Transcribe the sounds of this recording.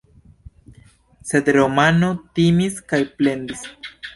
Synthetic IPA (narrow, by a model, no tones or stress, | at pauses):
se̞d̪ɾo̞mano̞timiskajple̞nd̪is